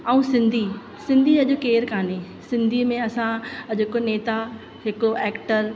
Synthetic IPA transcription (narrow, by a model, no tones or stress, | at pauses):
ɐũsɪ̃nd̪ʱi | sɪ̃nd̪ʱiɐʄokeːɾkʰaːne | sɪ̃nd̪ʱiːmẽɐsãd͡ʑɪkoneːt̪a | ɦɪkɽoʔɛːkʈəɾ